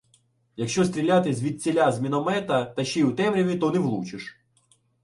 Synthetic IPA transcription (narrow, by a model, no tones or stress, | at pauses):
jɐkʃt͡ʃɔst̪ɾʲilʲat̪ɪsʲʋʲid̪̚t͡sʲilʲazʲmʲinɔmɛt̪ɐt̪ɐʃt͡ʃiut̪ɛmɾʲɔʋʲit̪ɔneʋlˠut͡ʃɪʃ